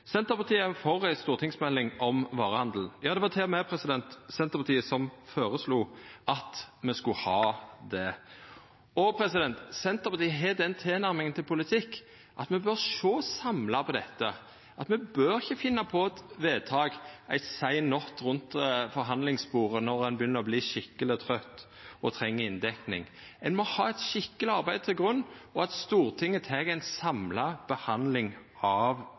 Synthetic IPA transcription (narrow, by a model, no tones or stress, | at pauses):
sɛnt̪əɾpɑʁt̪iːəfɔɾæɪst̪uːʁt̪ɪŋsmɛlːɪŋʔɔmʋɑːʁəhɑnd̪l̩n̩jɑːd̪ɛʋɑt̪ʰɛmɛpʰɾɛsɪd̪ɛnt̪sɛnt̪əpʰɑt̪iːəsɔmfoːɾəsluːʔɑt̪mɛskʉhɑːd̪ɛ | ɔpʰɾɛsɪd̪ɛnt̪sɛnt̪əpɑt̪iːəɦɛd̪ɛnt̪ʰeːnæɾmɪŋənt̪ʰɪlpʰʊlɪt̪ʰɪkː | ʔɑt̪mɛbøɾʂoːsɑmlɑpʰɔd̪ɛt̪ːə | ʔɑt̪mɛbøːɾɪçːəfɪnːɑpʰɔt̪ʋeːt̪ʰɑːɡæ̰ɪsæɪnɔt̪ɾʉnt̪fɔɾɦɑnlɪŋspuːʁənɔɾɛnbəjʏnːəʁɔbliːʃɪkːəlɪt̪ʰʁœt̪ː | ɔt̪ʰɾɛŋːəɪnd̪ɛknɪ̰ŋ | ɛnmɔhɑːɛt̪ʃɪkːəlɪɑɾbæɪd̪̚t̪ʰɪlɡʁʉnːɔɑt̪st̪uːɾt̪ʰɪŋːət̪ʰɛːɡæɪnsɑmlɑb̥əhɑnd̪lɪŋ | ɑʋ